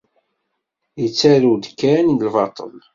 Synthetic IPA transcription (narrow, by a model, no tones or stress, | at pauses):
jət͡sːæɾud̪kːænnlvɑt̪ˤə̰l